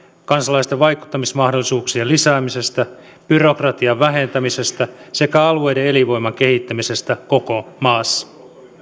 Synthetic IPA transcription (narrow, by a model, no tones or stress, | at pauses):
kɑnsɑlɑjst̪eʋʋɑjku̥t̪ːɑmismɑhdolːisuːksiɑlisæːmise̞st̪æ | b̥yro̞krɑt̪iɑʋʋæɦent̪æmise̞st̪æse̞kæɑlue̞jdeeliʋo̞jmɑŋkehit̪ːæmise̞st̪æko̞komɑːsːɑ̥